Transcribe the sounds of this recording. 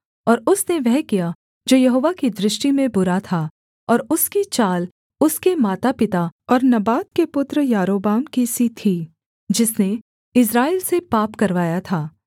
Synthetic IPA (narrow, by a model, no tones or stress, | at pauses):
ɔːɾʊsneʋɛɦkija | d͡ʒoːjɐɦoːʋakid̪ɾɪʃʈimẽbʊɾat̪ʰa | ɔːɾʊskit͡ʃaːl | ʊskemaːt̪apɪt̪aɔːɾnɐbaːt̪̚kepʊt̪ɾəjaːɾoːbaːmkisit̪ʰiː | d͡ʒɪsne | ɪs̬ɾaːɪːlsepaːpkɐɾʋaːjat̪ʰaː